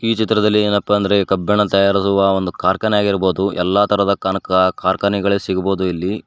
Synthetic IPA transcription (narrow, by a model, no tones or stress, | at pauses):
iːt͡ʃit̪ɾɐd̪ɐlːieːnɐpːɐɐnd̪ɐɾe̞kɐbːɐɳɐt̪ɐjaːɾisuʋɐond̪ukaːɾkɐnɐjaːɡiɾbo̞ːd̪uʔɛlːaːt̪ʰɐɾɐd̪ɐkanɐkɐkaːɾkɐniɡɐɭesiɡɐbo̞ːd̪uilːi